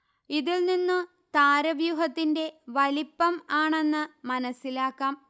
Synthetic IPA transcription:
iðilninːɨ | t̪aːɾɐʋjuɦɐt̪ːinde̞ʋɐlipːɐmaːɳe̞nːɨmɐnɐsːilaːkːaːm

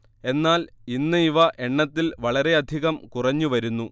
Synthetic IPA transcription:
e̞nːaːl | inːɨiʋɐʔeɳːɐt̪ːilʋɐɭɐɾe̞ɐd̪ʱiɣɐmkurɐɲːuʋɐɾunːu

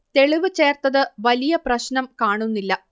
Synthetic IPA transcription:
t̪e̞ɭiʋɨt͡ɕe̞ːrt̪ɐðɨʋɐlijɐprɐɕnɐmkaːɳunːilːɐ

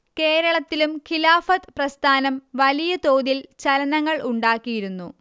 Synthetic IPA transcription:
ke̞ːɾɐɭɐt̪ːilumkʰilaːfɐt̪prɐst̪ʰaːnɐmʋɐlijɐt̪o̞ːðilt͡ɕɐlɐnɐŋːɐɭuɳɖaːkːijiɾunːu

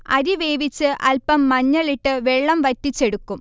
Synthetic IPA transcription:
ɐ̰ðiʋe̞ːʋit͡ɕːɨʔɐlpɐmːɐɲːɐɭiʈːɨʋeɭːɐmʋɐtːit͡ɕːe̞ɽukːum

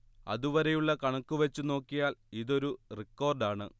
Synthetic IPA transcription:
ɐ̰ðuʋɐɾejuɭːɐkɐɳɐkːuʋet͡ɕːuno̞ːkːijaːliðo̞ɾurikːo̞ːrɖaːɳɨ

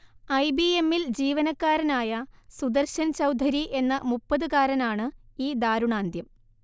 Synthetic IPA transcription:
ɐjbie̞mːild͡ʑiːʋɐnɐkːaːɾɐnaːjɐsud̪ɐrɕɐnt͡ɕɐwd̪ʱɐɾiʔe̞nːɐmupːɐðɨkaːɾɐnaːɳɨiːd̪aːɾuɳaːnd̪jɐm

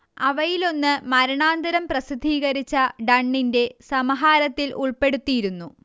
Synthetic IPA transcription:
ɐʋɐjilo̞nːɨmɐɾɐɳaːnd̪ɐɾɐmprɐsid̪ʱiːɣɐɾit͡ɕːɐɖɐɳːinde̞sɐmɐɦaːɾɐt̪ːilʔuɭpe̞ɽut̪ːijiɾunːu

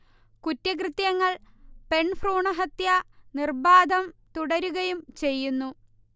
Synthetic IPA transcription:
kutːɐk̬rɨt̪jɐŋːɐɭpe̞ɳfruːɳɐɦɐt̪jɐnirbaːd̪ʱɐmt̪uɽɐɾuɣɐjumt͡ɕe̞jːunːu

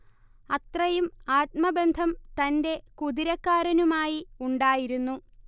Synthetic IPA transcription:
ɐt̪rɐjumaːt̪̚mɐbe̞nd̪ʱɐmt̪ɐnde̞kuðiɾɐkːaːɾɐnumaːjiuɳɖaːjiɾunːu

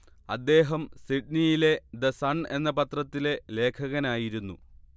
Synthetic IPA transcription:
ɐd̪ːe̞ːɦɐmsiɖnijile̞d̪ɐsɐɳe̞nːɐpɐt̪rɐt̪ːile̞le̞ːkʰɐɣɐnaːjiɾunːṵ

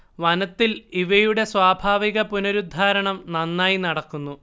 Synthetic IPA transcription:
ʋɐnɐt̪ːiliʋɐjuɽe̞swaːbʱaːʋiɣɐpunɐɾud̪ʱːaːɾɐɳɐmnɐnːaːjinɐɽɐkːunːu

